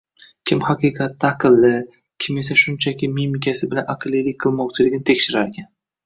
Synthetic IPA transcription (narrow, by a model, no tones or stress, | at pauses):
kʲʰɪmhɑqɨqʰɑt̪ʰːaːqʰɨlˠːɪ | kʲʰɪme̞saʃʊnt͡ʃʰakʲɪmimɪkʲasɪbɪlanaqʰɨlˠilɪk̚ʲqʰɨlˠmɒqt͡ʃʰɪlɪɡʲɪnɪt̪ʰekʲʃɪɾaɾɡʲan